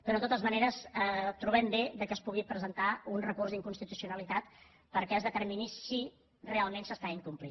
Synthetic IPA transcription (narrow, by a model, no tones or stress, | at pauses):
pɾot̪ot̪əzməneɾəsət̪ɾuβɛmbeðəkəspuɣipɾəzənt̪aunrəkurzðiŋkunst̪it̪usijunəlit̪at̪ | pəɾkɛəzðət̪əɾminisi | realˠmensəst̪aiŋkumplḭ